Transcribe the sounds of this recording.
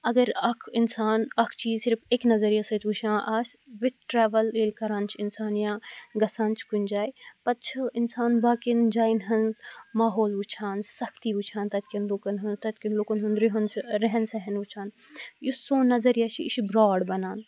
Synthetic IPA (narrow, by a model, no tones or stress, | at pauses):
ɐɡɐɾɐkʰinsaːnɐkʰt͡ʃiːzsiɾpʰeknɐzɐɾjasɐt͡ʃuʃʰãːʔɐsʲʋit̪̚ʈɾɛːʋɐlelkɐɾãːnt͡ʃʰinsaːnjãːɡɐsaːnt͡ʃʰkund͡ʒaːjpɐt̪t͡ʃʰɐinsaːnbaːkind͡ʒaːinɦɐnmaːɦoːlut͡ʃʰaːnsɐkt̪iut͡ʃʰaːnt̪ɐt̪̚kinlukɐnɦɐnt̪ɐt̪kinlokɐnɦunɾiɦɐnsɾɛɦɛnsɐɦɐnut͡ʃʰaːn | jusõːnɐzɐɾjat͡ʃʰiiʃibɾaːɖbɐnaːn